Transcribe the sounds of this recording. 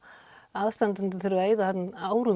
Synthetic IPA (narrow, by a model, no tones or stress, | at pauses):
aðst̪ant̪ʏnt̪̬ʏθɪɾʏeːjðahat̪naːwɾʏ